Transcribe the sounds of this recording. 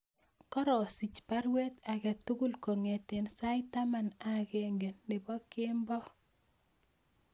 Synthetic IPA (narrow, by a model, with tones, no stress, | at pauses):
kɔ˦ɾɔ˨si˨t͡ʃpa˦ɾwe˦t̪a˨kɛ˨tuɡu˦˨lko˨ŋe˨te˨nsa˦jta˦ma˨nakɛŋɡe˨nːɪ˨bɔ˦ke˦mbɔ˦